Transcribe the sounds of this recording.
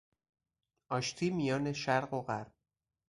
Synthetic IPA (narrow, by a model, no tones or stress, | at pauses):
ʔɒːʃt̪ʰiːmijɒːne̞ʃæɾɢo̞ɣæɾb̚